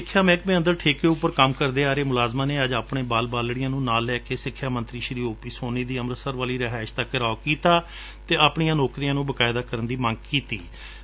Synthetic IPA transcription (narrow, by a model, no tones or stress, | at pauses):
ɪkʰːjaːmɛ̃ːkmẽːənd̪əɾʈʰeːkeːʊpːəɾkəmkəɾd̪eːaːɾeːmʊlaːzmãːneːəd͡ʒaːpɳẽːbaːlbaːlɽɪjãːnũːnaːlːɛːkeːsɪkʰːjaːmənt̪ɾiːʃɾiːoːpiːsoːniːd̪iːəmɾəsəɾʋaːliːɾəɦaːɪʃt̪əkːɾaːokiːt̪aː | t̪eːaːpɳɪjãːnoːkɾiːãːnũːbəkaːɪd̪aːkəɾənd̪iːmə̃ŋɡ̚kiːt̪iː